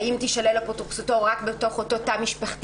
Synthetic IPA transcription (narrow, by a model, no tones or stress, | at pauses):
imtiʃalelapotuχsutoʁakbeto̞χototamiʃpaχt